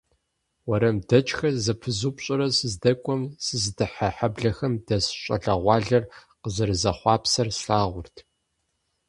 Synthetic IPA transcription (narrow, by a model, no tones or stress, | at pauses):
wɐɾɐmdɐt͡ʃʼxɐzɐpʰɨzupɕʼɪɾɐsɨzdɐkʷʼɔmsɨzdɨħaħabɮɐxɐmdɐsɕʼɐ̰ɮɐʁʷɑːɮɐrqəʑɐrɨzɐχʷɑːpsɐrsɬaːʁʷʊrtʰ